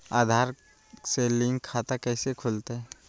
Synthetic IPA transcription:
aːd̪ʱaːɾ | selɪ̃ŋkʰaːt̪akɛːsekʰʊlt̪eɦɛ

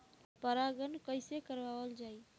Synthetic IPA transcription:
pəɾaɡənkəɪsekəɾbabəld͡ʒai

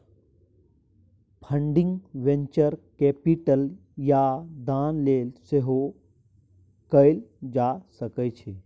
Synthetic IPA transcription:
pʰə̃ɳɖɪ̃ŋɡʋẽɲt͡ʃəɾkeːpiʈəl | jad̪aːnleːlseɦo | kəɪld͡ʒasəkət͡ʃʰe

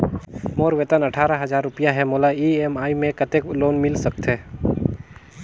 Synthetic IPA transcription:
moːɾʋet̪ənɐʈʰaːɾaɦɐzaːɾːʊpijaɦɛmoːlaiːemaːimẽkət̪ekloːnmɪlsək̚t̪ɦɛː

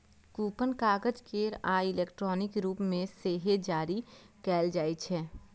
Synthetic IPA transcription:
kuːpənkaːɡəd͡ʒkeːɾaːɪleːkʈɾɔːnɪkɾuːpmẽseːɦed͡ʒaːɾikɛːld͡ʒaːit͡ʃʰɛː

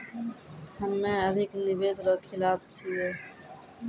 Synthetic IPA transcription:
həmːẽːəd̪ʱɪknɪʋeːzɾoːkʰɪlaːbt͡ʃʰieː

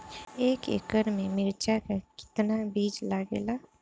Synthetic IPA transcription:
eːkḛkəɾmẽmɪɾt͡ʃakakɪ̥t̪nabiːd͡ʒlaːɡḛːlaː

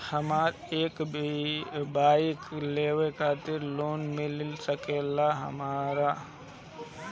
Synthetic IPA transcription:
həmaːɾ | eːk | baːikleːʋekʰaːt̪ɪɾloːnmɪ̃lɪlsəkeːlaɦə̰maːɾa

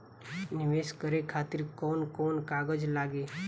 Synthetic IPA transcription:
nɪʋeːskəɾekʰaːt̪ɪɾkɔːnkɔːnkaɡəd͡ʒlaːɡeː

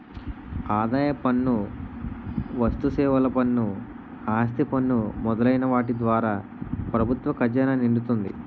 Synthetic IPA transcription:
aːd̪aːjɐpɐnːu | ʋɐst̪usɛːʋɐlɐpɐnːu | aːst̪ipɐnːumɔd̪ɐlɐjnɐʋaːʈid̪ʋaːɾaː | pɾɐbʱut̪ʋɐkɐɾjanɐniɳɖut̪und̪ḭ

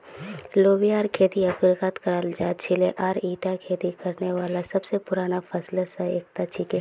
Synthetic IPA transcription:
loːwijaːɾkʰeːd̪iɐkɪɾkat̪kɐɾaːld͡ʒaːt͡ʃʰɪleʔaːɾiːʈakʰeːd̪ikɐɾneʋaːlasɐbsepʊɾaːnafʰəslasaeːk̚t̪at͡ʃʰike

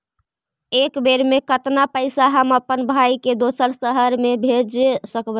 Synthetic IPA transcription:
ekbeɾmekət̪napəɪsaɦəməpːənbʱajked̪osəɾsəɦəɾmebʱed͡ʒsəkbə

